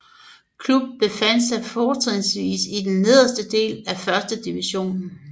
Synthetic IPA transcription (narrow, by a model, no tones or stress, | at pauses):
kʰlub̥̚ːe̝fæn̰d̥sɑ̈ɪfɒːt͡sʰʁɛŋsʋḭːsid̥enːe̝ð̞̰ˠɐsd̥əd̥e̝̰ːlæfɶɐsd̥əd̥iʋiɕo̝̰ːnn̩